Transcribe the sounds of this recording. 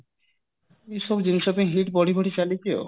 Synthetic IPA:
eʃɔbd͡ʑiniʃɔbiŋɦiʈpɔɽibʱoʈit͡ɕalit͡ɕʰeo̰

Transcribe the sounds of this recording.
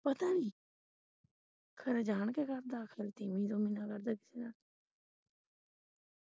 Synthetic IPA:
pət̪aːnĩː | kʰəɾeːd͡ʒaːɳkekəɾd̪aːkʰɪlt̪ɪmĩːd̪oːmɪnaːkəɾd̪aːkɪ̥seːnaː

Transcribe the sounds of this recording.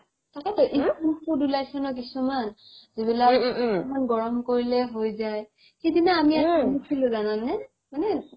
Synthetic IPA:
takatɔʔikudulajsɔnɔk̬isumanzibilaemanɡɔɹɔmkoɹilɛɦojzaj | xejdinaːmiaiisʰilʊ̃zananːɛ | manɛ

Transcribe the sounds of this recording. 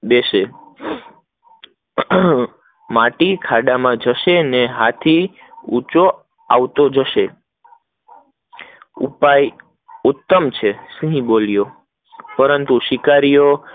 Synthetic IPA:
d̪eʃe | maʈikʰaɖamãd͡ʒəʃeneɦat̪ʰi | ut͡ʃo | a̰ʋt̪od͡ʒəʃe | ṵpaj | ut̪ːəmt͡ʃʰesĩɦĩbolijo | pəɾənt̪uʃɪkaɾijo

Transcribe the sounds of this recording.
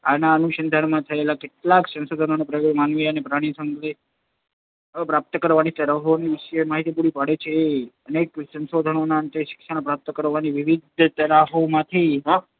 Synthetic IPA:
anaənuʃənd̪ʱaɳmãt̪ʰəelakeʈlaksə̃nsod̪ʱənonepɾəmanʋiənepɾaɽ̃isəŋɡle | pɾap̚t̪əkəɾʋanit̪əɾaɦoniʋɪʃemaɦit̪ip̬uɽipaɽet͡ʃʰeːəneksə̃nsod̪ʱənonaənt̪eʃɪ̥kʃañpɾap̚t̪əkəɾʋaniʋɪʋid̪ʱt̪əɾaɦomãt̪ʰiɦ

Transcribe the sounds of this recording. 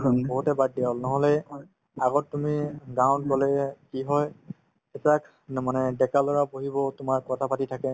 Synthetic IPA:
bɔɦutɛbad̚dɛɔlnɔɦɔlɛ | aɡɔttːumiɡawn̚ɡɔlɛkiɦɔj | etak | manɛdɛkalɔɹapoɦibɔtʊmaɹkɔtʰapatitʰakɛ

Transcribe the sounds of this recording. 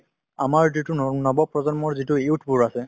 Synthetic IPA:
amaɹzitunnɔbɔpɹɔzɔnmɔɹzitʊewtʰbuɹasɛ

